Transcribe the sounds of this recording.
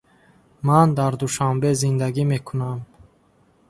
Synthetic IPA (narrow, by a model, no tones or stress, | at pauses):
mand̪aɾd̪uʃambezind̪aɡimekʰunam